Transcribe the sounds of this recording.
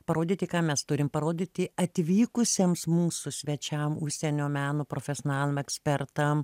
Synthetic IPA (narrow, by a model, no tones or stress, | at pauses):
pɐɾoːd̪ʲiːt̪ʲɪkɑːmʲɛst̪ʊɾʲɪmpɐɾoːd̪ʲiːt̪ʲɪɐt̪ʲʋʲiːkʊsʲeːmsmuːsʊsʲʋʲɛt͡ʃʲɛmʊʃʲsʲɛnʲoːmʲæːnoːpɾoːfʲɛsʲoːnɑːlʲˠɪmɛksʲpʲɛrt̪ɐm